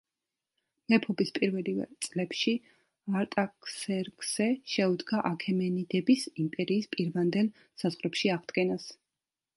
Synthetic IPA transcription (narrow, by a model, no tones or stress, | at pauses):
mɛpʰɔbispʼiɾvɛlivɛ̰t̪sʼlɛpʃi | aɾt̪ʼakʰʼsɛɾɡz̥ɛʃɛud̪ɡaʔakʰɛmɛnid̪ɛbisimpʼɛɾiːspʼiɾvand̪ɛlˠ | sazʁɾɛpʃiaʁd̪̥ɡɛnas